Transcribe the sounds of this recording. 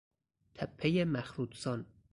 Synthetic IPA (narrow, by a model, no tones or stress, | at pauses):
t̪ʰæpʰːejemæxɾuːd̪sɒn